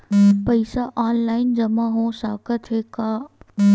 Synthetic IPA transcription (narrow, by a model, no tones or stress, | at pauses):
pɐɪsaʔaːnlaːɪnd͡ʒɐmãɦõsaːkət̪ɦeka